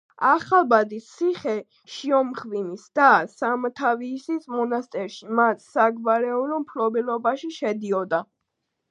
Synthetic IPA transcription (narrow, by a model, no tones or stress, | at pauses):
aχalˠbad̪ist̪sʰiχɛ | ʃiɔmχvinisd̪̥asamɔt̪ʰaviːsismɔnast̪ʼɛɾʃimat̪ʰsaɡvaɾɛulɔmpʰlɔbɛlɔbaʃiʃɛd̪iɔd̪a